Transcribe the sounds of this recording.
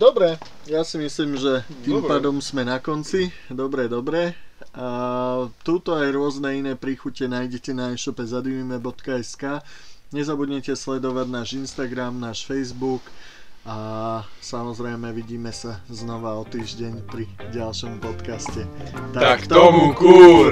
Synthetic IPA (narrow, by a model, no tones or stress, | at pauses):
d̪ɔbɾɛ | jasimisliːmʒɛt̪iːmpaːd̪ɔmzmɛnakɔnt͡si | d̪ɔbɾɛd̪ɔbɾɛ | t̪ut̪ɔajɾʊɔznɛinɛːpɾiːxucɛnaːjɟɛcɛnaɛʃɔpɛzad̪umimɛbɔt̪kaɛskaːɲɛzabudɲɛcɛslɛd̪ɔʋaɟnaːʒinst̪aɡɾamnaːʃfɛjzbuk | asamɔzɾɛjmɛʋiɟiːmɛsaznɔʋaɔt̪iːʒɟɛɲpɾiɟalʃɔmpɔt̪kascɛt̪akt̪ɔmuku